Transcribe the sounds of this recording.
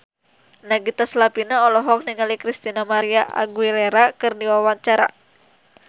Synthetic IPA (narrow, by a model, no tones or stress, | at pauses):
naɡit̪aslapinaɔlɔɦɔk̚niŋalikɾist̪inamaɾiaʔa̰ɡwilɛɾakɨrdiwawaɲt͡ʃaɾa̰